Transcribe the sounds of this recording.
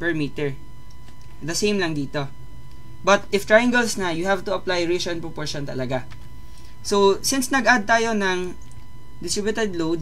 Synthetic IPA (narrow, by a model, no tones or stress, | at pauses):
pɛɹmit̪ɛɹ | d̪ɐsejmlɐŋd̪iːt̪o̞ | bɐt̪̚ʔɪft̪ɹajaŋɡɛlsnɐjʊhavt̪ʊɐplajɹiʃɔnpɹɔpoɹʃɔnt̪ɐ̰lɐɡa | sosɪnsnɐɡʔad̪̚t̪aːjo̞nɐŋ | d̪ɪst̪ɹɪbjʊt̪ɛd̪lowd̪̚